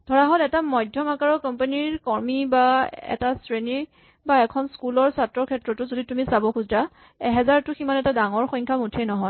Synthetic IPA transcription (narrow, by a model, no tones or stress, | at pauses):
d̥ʱɔɹaɦɔtɛtamɔjdʱjɔmakaɹɔkɔmpaniɹkɔɹmibaɛ̰tasɹeni | baɛkʰɔnskulɔɹsatɹɔkʰɛtɹɔtʊzoditumisabɔkʰuzda | ɛɦɛzaɹtʊximanɛtadaŋɔɹxɔjŋkʰamutʰenɔɦɔj